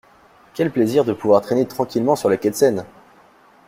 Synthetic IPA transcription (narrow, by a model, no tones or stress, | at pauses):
kʲɛlpleziʁd̪əpuvwaʁt̪χenet̪χɑ̃kʲilmɑ̃syʁlakʲɛt̪sɛn